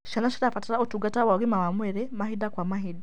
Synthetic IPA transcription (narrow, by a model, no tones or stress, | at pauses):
ʃanaʃiɾafatiɾaotuɡatawaɣimawamweɾɛmahidakwamaɦida